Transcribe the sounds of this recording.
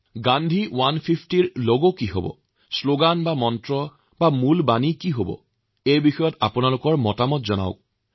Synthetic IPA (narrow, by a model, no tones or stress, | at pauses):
ɡandʱiwanpʰipʰtiɹloɡokiɦo̰bɔ̰ | sloɡanbamɔntɹɔ | bamulbanikiɦobɔ̰ | ejbixɔjɔta̰pʊnalʊkɔɹmɔtamɔtzɔna̰ʊk̚